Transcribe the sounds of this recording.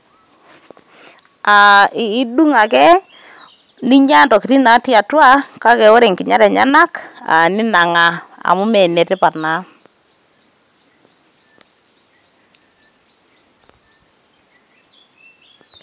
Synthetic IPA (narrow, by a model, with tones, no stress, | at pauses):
a˨ɪː˨˦ɗu˦ŋa˨kɛ˦ | nɪ˦ɲa˦ntɔ˨kɪ˨ɾi˦na˨˦tja˨twa˦ka˦kɛ˨o˦ɾe˨ŋkɪ˨ɲa˦ɾɛ˨ɲa̰˦na˦ka̰˨nɪ˦na˨ŋa˨a̰˨mʊ˦mɛ˨nɛ˨tɛ˦pa˨na˨˦